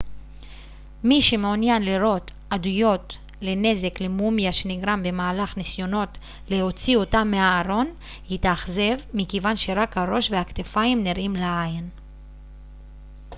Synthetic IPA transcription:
miʃemeonjanliɾo̞t̪ | ad̪ujo̞t | le̞ne̞ze̞kle̞mumjaʃe̞niɡɾambe̞maːlaχnisjo̞no̞t | le̞ho̞t͡sio̞tamːeaːɾo̞n | hit̪aχze̞vmikevanʃe̞ɾakhaɾo̞ʃvehakt̪efaimniɾʔimlaain

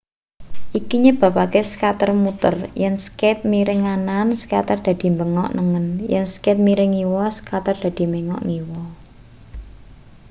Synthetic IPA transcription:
ʔikiɲeb̥a̤pakesə̥kat̪ərmut̪ə̰rjɛŋskɛt̪̚miɾɪŋanansə̥ka̰t̪ərd̪̥ä̤d̪̥i̤mbəŋɔ̰ʔnəŋənjɛ̰ŋskɪt̪̚miɾɪŋiwɔsə̥kat̪ərd̪̥ä̤d̪̥i̤meŋɔ̰ʔŋiwɔ

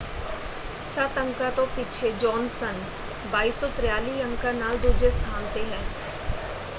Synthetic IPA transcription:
sət̪ə̃ŋkat̪õpit͡ʃʰed͡ʒɔːnsən | baːiːsɔt̪ɾjaːliːə̃ŋkanaːld̪ud͡ʒest̪ʰaːnt̪eɦɛ̃ː

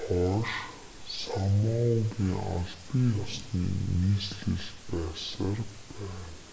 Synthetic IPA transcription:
χɔʃ | samaɣiːŋa̰ɮpiːŋasnḭːniːsɮɘɮpæːsarpæːn

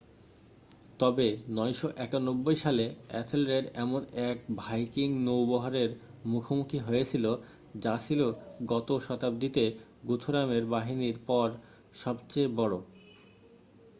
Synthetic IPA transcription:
t̪ɔbenɔjʃoʔɛkanobːojʃaleɛsʰelɾeɖɛmonɛk̚bʱajkiŋnowbɔɦaɾeɾ | mukʰomukʰiɦojet͡ɕʰilo | d͡ʑat͡ɕʰiloɡɔt̪oʃɔt̪ab̚d̪it̪e | ɡut̪ʰoɾameɾbaɦiniɾpɔɾ | ʃɔbt͡ɕebɔɽo

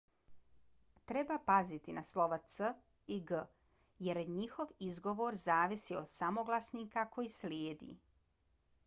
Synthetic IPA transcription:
t̪ɾebapazit̪inaslˠo̞ʋat̪sə | iɡə | jeɾeɲixo̞ʋizɡo̞ʋo̞ɾzaːʋisiod̪̥samoɡlˠasniːkako̞jislʲjeːd̪ḭː

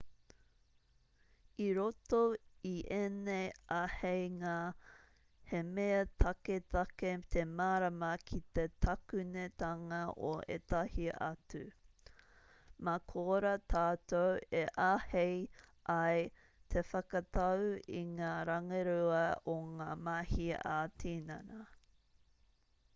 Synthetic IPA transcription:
iɾot̪oiʔeneahejŋa | hemeɐt̪ʰɐket̪ɐket̪ʰemaːɾɐmɐkʰit̪et̪ʰɐkʉnet̪ɐŋɐʔo̰ʔḛt̪ɐhiʔɐ̰t͡sʉ | makʰoːɾɐt̪ʰaːt̪oweʔahejʔɐj | t̪ʰefɐkɐt̪ɐwḭŋaːɾɐŋɐɾuɐoŋaːmahiaːtʰinɐ̰nɐ

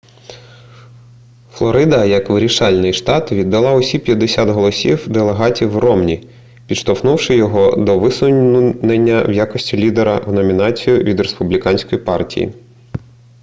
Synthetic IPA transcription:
flˠɔɾɪd̪ɐjɐkʋɪɾʲiʃɑlʲnɪjʃt̪ɑt̪ʋʲid̪ːɐlˠɑɔsʲipʲjɐd̪ːesʲat̪ɦɔlˠɔsʲiwd̪elˠeɦɑtʲiwrɔmnʲi | pʲid̪ʃt̪ɔfnuwʃɪjɔɦɔd̪ɔʋɪsʊnenʲːɐwjakɔsʲtʲilʲid̪eɾɐ̰wnɔmʲinɑt͡sʲijʊʋʲid̪ɾespʊblʲikɑnʲsʲkɔjipɑrtʲḭjḭ

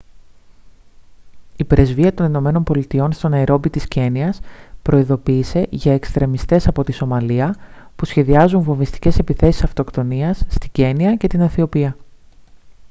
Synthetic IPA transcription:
ipɾe̞zviɐt̪o̞nino̞me̞no̞nmbo̞lit̪io̞nst̪o̞nɐeɾʔo̞bit̪isce̞niɐspɾʔo̞iðo̞piːse̞ʝɐe̞kst̪ɾe̞mist̪e̞sɐpo̞t̪iso̞mɐliɐpusçe̞ðiɐzunvo̞ɱvist̪i̥ce̞se̞piθe̞si̥sɐft̪o̞kt̪o̞niɐsːt̪iɟe̞niɐce̞t̪inɐθio̞piɐ

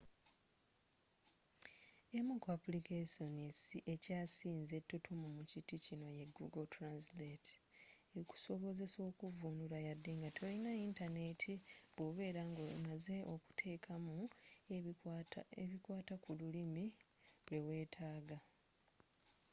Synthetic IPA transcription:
emukoapulikesonisiʔe̞caːsiːnze̞tːutʰumumuciticino̞je̞ɡuɡotɾansleteku̥so̞βo̞ze̞so̞ːkuvunuɾajadːeŋɡatʰolinaintane̞tʰiβoβe̞ːɾaŋɡomaze̞ʔo̞ku̥tʰe̞ːkʰamu | βikwaːtakululimi | ulewe̞ːtʰaːɡa

